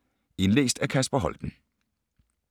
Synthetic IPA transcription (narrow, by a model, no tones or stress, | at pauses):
e̝nlḛːsd̥ækʰæsb̥ɐɦɒ̽ld̥n̩